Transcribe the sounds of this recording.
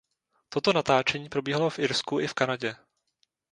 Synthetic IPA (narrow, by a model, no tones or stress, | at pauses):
t̪o̞t̪o̞nat̪aːt͡ʃɛɲiːpɾo̞biːɦalo̞fʔɪɾskuʔɪfkanaɟɛ